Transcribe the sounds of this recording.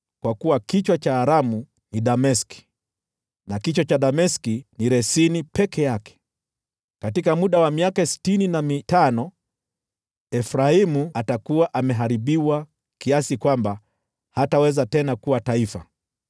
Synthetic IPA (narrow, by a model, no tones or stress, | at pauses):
kwakuwakit͡ʃwat͡ʃaːɾamu | niɗamɛski̥ | nakit͡ʃwɔt͡ʃaɗamɛskiniɾɛsinipɛkʰɛjakɛ̥ | katikamuɗawamiakasi̥tininamitanɔ | ɛfɾaimuatakuwaʔamɛɦaɾiɓiwa | kiasikwamba | hatawɛzatɛnakuwataifa̰